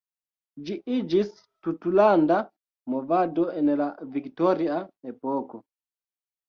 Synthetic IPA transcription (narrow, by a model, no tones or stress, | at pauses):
d͡ʒiʔid͡ʒis | tutulanda | movadoenlaviktoɾiaepoko